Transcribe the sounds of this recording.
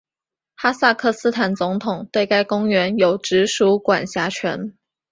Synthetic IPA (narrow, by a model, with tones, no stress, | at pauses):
xa˥sa˥˧kʰɤ˥˩sɹ̩˥t̪ʰa˨˩nt͡sʊ˧˥ŋt̪ʰʊ˨˩ŋt̪we˥˩ɪka˥ɪkʊ˥ŋɥɛ˧˥njo˨˩ʊʈ͡ʂɻ̩˧˥ʂu˧˥kwa̰˨˩nɕja˧˥t͡ɕʰɥɛ˧˥n